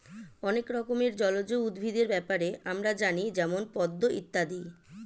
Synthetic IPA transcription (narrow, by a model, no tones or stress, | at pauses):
ɔnekɾɔkomeɾd͡ʑɔlod͡ʑoud̪bʱid̪eɾbɛpaɾeʔamɾad͡ʑanid͡ʑɛmonpɔd̪ːoʔit̪ːad̪i